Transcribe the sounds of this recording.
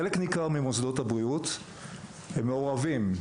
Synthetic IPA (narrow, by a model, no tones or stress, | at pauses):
eleknikaʁmimosd̪o̞tabʁiut̪ | hemːeoʁavim